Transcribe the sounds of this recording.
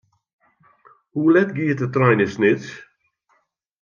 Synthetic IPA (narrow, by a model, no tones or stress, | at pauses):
huːlɛtɡiːt̪ət̪ɾajnɪsnɪts